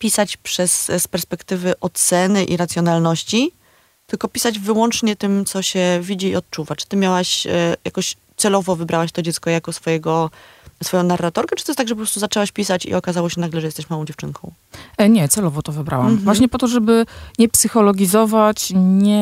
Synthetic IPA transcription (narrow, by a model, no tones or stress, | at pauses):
pʲisat͡ɕpʂɛsspɛɾspɛkt̪ɘvɘʔɔt̪sɛnɘʔḭɾat̪sʲjɔnalnɔɕt͡ɕi | t̪ɘlkɔpʲi̥sad͡ʑvɘwɔnt͡ʂɲɛt̪ɘmt̪sɔɕɛvʲid͡ʑiːɔt̪̚t͡ʂuvat͡ʂɨ̥t̪ɘmʲjawaɕja̰kɔɕ | t̪sɛlɔvɔvɘbɾʔawaɕt̪ɔd͡ʑɛt̪skɔjakɔsfɔjɛɡɔsfɔjɔ̃w̃narːat̪ɔɾkɛtɨ̥t̪ɔjst̪aɡʐɛp̬ɔpɾɔst̪uzat͡ʂɛwaɕpʲisat͡ɕḭɔkazawɔɕɛnaɡlɛʐɛjɛst̪ɛɕmawɔ̃w̃d͡ʑɛft͡ʂɘŋkʰɔ̃w̃ | ɲɛt̪sɛlɔvɔt̪ɔvɘbɾa̰wamvwaɕɲɛpɔt̪ɔʐɛbɘɲɛpsɘxɔlɔɡʲizɔvat͡ɕɲɛ